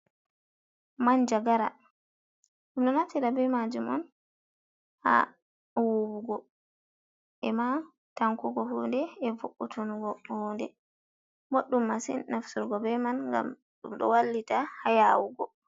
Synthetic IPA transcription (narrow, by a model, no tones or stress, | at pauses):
mand͡ʒaɡaɾa̰ | ɗumɗɔnatiɾabɛmad͡ʒumɔ̰n | ha̰ | wowuɡɔ | ɛma | taŋkɔɡɔɦundɛːvoʔːutʰonuɡɔhɔndɛ | moɗːumːasḭnnafsuɾɡɔbɛmanŋɡa̰m | ɗṵmɗɔ̰walːitahajawuɡɔ